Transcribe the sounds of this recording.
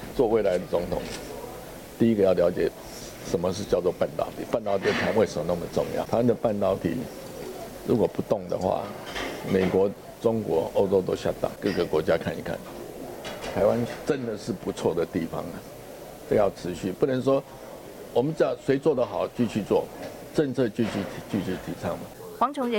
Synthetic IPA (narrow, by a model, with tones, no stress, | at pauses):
t͡swɔ˥˧we˥˩ɪla˧˦ɪd̪ə˨t͡sʊ˧˥ŋt̪ʰʊ̰˨˩˦ŋ | t̪i˥˧i˥ɡə˨˦jɑ˥˩ʊljɑ˧˥ʊt͡ɕjɛ˨˩ | ʂə˨˦mə˧ʂ̬ɻ̩˥˧t͡ɕjɑ˥˧ʊt͡swɔ˥˧pa˥˨nt̪ɑ̰˨˩ʊt̪ʰi˨˩pa˥˧nt̪ɑ˥˧ʊt̪i˨˩a˧˥nwe˥ɪʂə˧˦mə˧˩na˥˩mə˨ʈ͡ʂʊ̰˥˧ŋjɑ̰˥˩ʊtʰa˧ɪwa˥nd̪ə˨pa˥˧˨nt̪ɑ˥˧ʊt̪ʰḭ˨˩˦ | ɻṵ˧˦˥kwɔ˨˩pu˧˥t̪ʊ˥˩ŋd̪ə̰˩xwa̰˥˩me˨˩ɪkwɔ˧˥ | ʈ͡ʂʊ˥ŋkwɔ˧˥o˥ʊʈ͡ʂo˥ʊt̪o˥ʊɕja̰˥˧t̪a̰˥˨˩kɤ˥˧˩ɡə˩kwɔ˧˥t͡ɕja˦kʰa˥˩ni˨˥kʰa̰˥˩n | t̪ʰa˧˦ɪwa˦nʈ͡ʂə˦nd̪ə˨ʂɻ̩˥˩pu˨˦t͡sʰwɔ˥˩d̪ə˩t̪i˥˩fɑ̰˨ŋlə˩ | ʈ͡ʂə˥˧jɑ˥˩ʊʈ͡ʂʰɻ̩˧˦ɕy˥˨pu˥˩nə˧˦nʂwɔ˦ | wɔ˨˩mə˦nt͡ɕa˥˩swe˧˥ɪt͡swɔ˥˩d̪ə˨xɑ˨˩ʊt͡ɕy˥˧t͡ɕʰy˥˧t͡swɔ˥˩ | ʈ͡ʂə˥˧ŋt͡sʰɤ˥˧t͡ɕy˥˧t͡ɕʰy˥˧˩t̪ʰi˨˩t͡ɕy˥˧t͡ɕʰy˧˩t̪ʰi˨˩t͡sʰɑ˥˩ŋmə˩ | wɑ˧˦ŋt͡ɕʰo˧˥ŋ˨˦